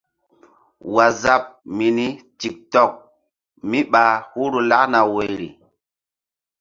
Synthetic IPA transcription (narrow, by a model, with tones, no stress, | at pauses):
wa˨za˦p̚mi˨ni˦ti˨k̚tɔ˦˨k̚ | mi˦ɓa˨hu˦ɾu˨la˦kna˨we˨jɾḭ˨